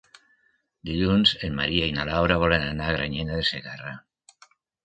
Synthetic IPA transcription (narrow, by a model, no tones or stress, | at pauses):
d̪iʎunzemmːaɾiainalawɾaβ̞ɔlenanaɣɾaɲenaðeseɣara